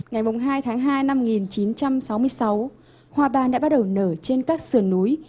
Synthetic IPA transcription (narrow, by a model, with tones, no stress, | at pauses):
ŋa˨˩jmo˨˩ŋ͡mɦaː˧jt̪ʰaː˨˦ŋɦaː˧jna˧mŋi˨˩nt͡ɕi˨˦nt͡ɕa˧msa˨˦wmɨ˧əjsa˨˦w | hwaː˨˩ɓaː˨˩nɗa̰ː˧˥ɓt̚ɗə˨˩wnəː˧˩t͡ɕe˧nkaː˦˥k̚sɨ˧˩ənːu˨˦j